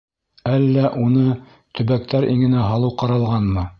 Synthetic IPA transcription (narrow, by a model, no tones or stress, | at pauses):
ælːæʔunɤ | t̪ɵ̆βæk̚t̪æɾʔiŋɘ̆næɦɑlˠɤwqɑɾɑlˠʁɑnmɤ